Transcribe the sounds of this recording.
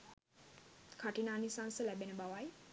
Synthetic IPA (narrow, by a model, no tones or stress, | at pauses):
kʰaʈinaːnisansəlæbenəbaʋaj